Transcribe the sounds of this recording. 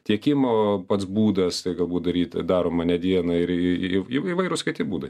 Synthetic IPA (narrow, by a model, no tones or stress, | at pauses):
t̪ʲiɛkʲɪmoːpɐt̪sbuːd̪ɐst̪ɐɪɡɐlˠbuːt̪̚d̪ɐɾʲiːt̪d̪ɑːɾoːmɐnʲɛd̪ʲiɛnɐɪɾɪiiiːʋɐɪɾʊskɪtʲɪbuːd̪ɐɪ